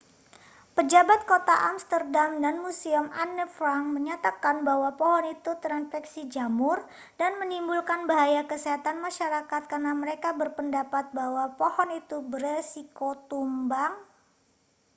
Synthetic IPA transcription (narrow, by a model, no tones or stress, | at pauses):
pəd͡ʒabat̪̚kot̪aʔamst̪ərdamdanmusiəmanəfɾaŋməɲat̪akanbaɦwapɔɦɔnit̪ut̪ɾanfɛksid͡ʒamʊr | danmənimbulkanbaɦajakəseɦat̪anmaʃaɾakat̪̚karnaməɾekabərpəndapat̪̚baɦwapohɔnit̪ubəresikot̪umbaŋ